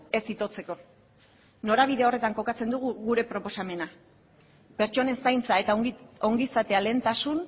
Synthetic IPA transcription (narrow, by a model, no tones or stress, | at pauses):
e̞sit̪o̞t͡se̞ko̞ | no̞ɾaβ̞iðe̞o̞re̞t̪aŋko̞kat͡se̞nd̪uɣ̞uɣuɾe̞pɾo̞po̞same̞na | peɾt͡ʃo̞ne̞nsajnt͡saet̪ao̞ŋɡisat̪e̞ale̞ːnt̪asun